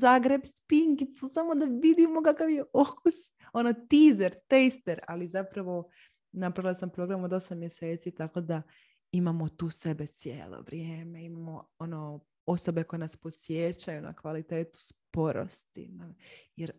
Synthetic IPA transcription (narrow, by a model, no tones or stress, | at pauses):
zaːɡɾe̞bspiŋkit̪susamo̞d̪aʋid̪imo̞kakaʋjeʔokus | o̞not̪iːzeɾt̪ejst̪eɾalizapɾaʋo̞ | napɾaʋilˠasampɾo̞ɡɾamod̪o̞samːje̞seːt̪sit̪ako̞d̪a | imamo̞t̪uːse̞be̞t̪sjḛːlˠo̰ʋɾijeːme̞imamo̞o̞no | o̞so̞be̞ko̞jenaspo̞sjet͡ɕajuna̰kʋalit̪e̞ːt̪u̥spo̞ɾo̰st̪ḭnajeɾ